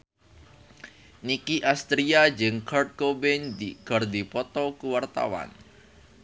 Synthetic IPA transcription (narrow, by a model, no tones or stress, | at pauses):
nikiʔast̪ɾiad͡ʒəŋkʰart̪̚kobɛnd̪iɡ̥ɔrd̪ipɔt̪ɔkuwart̪a̰wa̰n